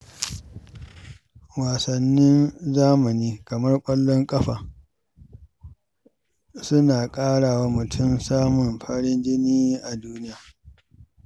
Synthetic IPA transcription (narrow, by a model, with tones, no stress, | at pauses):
waː˨sɐ˨nːɪ˦nzaː˦mɐ˨niː˦kɐ˨mɐ˦rkʷʼɐ˦lːɔ˦ŋkʼɐ˦ɸaː˨ | sʊ˦naː˨kʼaː˦ɽaː˨wa˦mʊ˨tʰʊ˦msaː˦mʊ˨mɸʰɐ˦ɽɪ˦nd͡ʒɪ˦niː˦ʔa˨duː˦nɪ˦jaː˨